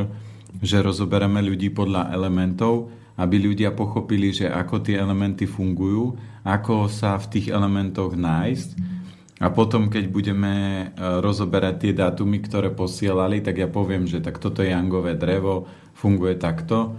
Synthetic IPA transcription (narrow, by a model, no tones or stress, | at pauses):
ʒɛɾɔzɔbɛɾamɛʎuɟiːpɔd̪ʎaʔɛ̰lɛmɛnt̪ɔʊ | abiʎuɟɪapɔxɔpiliʒɛʔa̰kɔt̪ɪɛɛlɛmɛnt̪ifuŋɡujuːakɔsaft̪iːɣɛlɛmɛnt̪ɔɣnaːjsc | apɔt̪ɔmkɛɟbuɟɛmɛɾɔzɔbɛɾac̚t̪ɪɛd̪aːt̪umikt̪ɔɾɛːpɔsɪɛlalit̪aɡjapɔʋɪɛmʒɛt̪akt̪ɔt̪ɔjɛjaŋɡɔʋɛːd̪ɾɛʋɔ | fuŋɡujɛt̪akt̪ɔ